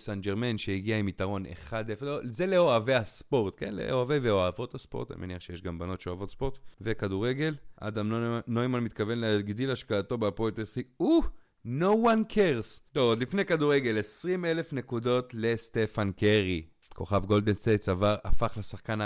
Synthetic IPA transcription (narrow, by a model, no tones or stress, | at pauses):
sand͡ʒeʁmanʃeiɡiaimitaʁo̞nḛχadefozeleo̞avehaspo̞ʁt̪kḛnlḛʔoaveveoavo̞t̪aspo̞̰ʁt̪a̰nḭmeniaχʃejeʃɡambano̞tʃeoavo̞tspo̞ʁt̪vekaduʁe̞ɡe̞lʔad̪amnojmanmit̪kave̞nleaɡdilaʃkaːto̞beapojt̪etχiu | nowankʰeʁstovdlifnekaduʁeɡe̞lesʁime̞le̞fne̞kudo̞tle̞ste̞fankeʁi | ko̞̰χavɡo̞ld̪enst̪ejsavaʔa̰faχlesaχkan